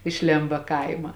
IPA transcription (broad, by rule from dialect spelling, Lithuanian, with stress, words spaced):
ɪʃ ˈlʲeːmbɐ ˈkɐɪmɐ